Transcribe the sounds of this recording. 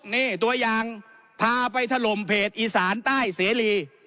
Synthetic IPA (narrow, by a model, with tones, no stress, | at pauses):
niː˧˥˩t̪u˧ɐjaː˨˧ŋ | pʰaː˧pa˧jt̪ʰa˧lo˨˩mpʰeː˨˩t̪̚ʔiː˧saː˩˦nt̪aː˥˩jseː˨˩˦liː˧